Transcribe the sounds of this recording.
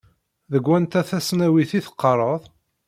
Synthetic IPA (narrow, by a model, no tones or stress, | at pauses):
ðəɡʷːænt̪æθæsnæwiθiθə̥qːəɾˤəðˤ